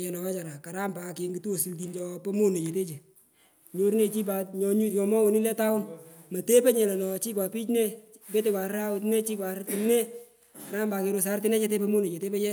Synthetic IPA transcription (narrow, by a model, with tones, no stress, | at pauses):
ɛ˨nɔ˨wɛ˦t͡ʃa˨ɾa˨ka˨ɾa˦mba˨ke˧ŋɡi˨tu˦o˨si˨lt̬i˨nt͡ʃɔ˧pɛ˦mo˦ne˨t͡ʃe˨te˦t͡ʃe˨ | ɲo˨ɾne˨t͡ʃi˦p̬a˨tɲɔ˧ɲu˦jɔ˨mɔ˦wo˨ni˦le˦ta˦ʊ˦nmɐ˨te˦pe˦ɲɛ˨lɛ˨nɔ˨t͡ʃi˦k̬wa˨pi˦t͡ʃne˦ | pe˦t̬e˦˧kwʷa˨ɾɾa˦wʊ˨˧t̬ne˦t͡ʃi˦kwa˨ɾti˨nne˦ | ka˨ɾa˦mba˧ke˧ɾo˧s̬a˦ɾtɪ˦nɛ˦t͡ʃe˦t̬e˦pe˦mo˦ne˨t͡ʃe˨te˦pe˦jɛ˦